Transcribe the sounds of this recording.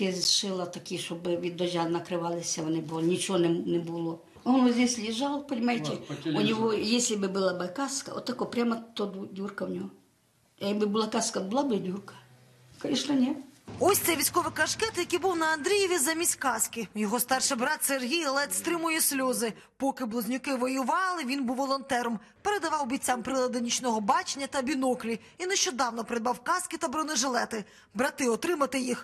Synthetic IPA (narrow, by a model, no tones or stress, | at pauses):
ɛzʲʃɪlˠɐt̪ɐkʲɪʃɔbɪʋʲid̪ɔʒʲanɐkɾɪʋɑlˠɪsʲɐʋɔnɪbʊlnʲit͡ʃɔɔnɛnɛbʊlˠɔ | ɔnɔzʲnʲesʲlʲiʒɑlˠpɐɔnʲimajt̪ʲɪʊnʲɔɦɔjesʲlʲɪbɪbɪlˠabɪkaskɐɔt̪ːɐkɔpɾʲamɐt̪ɔd̪udʲurkɐwnʲɔɦɔ | bɪbʊlˠakaskɐbʊlˠabɪdʲurkɐ̥ | kɐiʃnɐnʲɛɔsʲt̪sɛʋʲisʲkɔʋɪkɐʃkɛt̪jɐkʲibuwnɐɐnd̪ɾʲijeʋʲizɐmʲisʲkɑskʲɪjɔɦɔst̪ɑrʃɪbɾɑt̪serɦʲijɔlˠɛt̪ʲst̪ɾɪmʊjɛsʲlʲɔzɪ | pɔkɪblˠɔzʲnʲʊkɪʋɔjʊʋɑlˠɪʋʲinbuwːɔlˠɔnt̪ɛɾɔm | peɾed̪ɐʋɑwbʲit͡sʲːampɾɪlˠɐd̪nʲit͡ʃnɔɦɔbɑt͡ʃenʲːɐt̪ɐbʲinɔklʲi | inɛʃt͡ʃɔd̪ɑwnɔpɾɪd̪̚bɑwkɑskɪt̪ɐbɾɔnɪʒelˠɛt̪ɪ | bɾɐt̪ɪɔt̪ɾɪmɐt̪ɪjix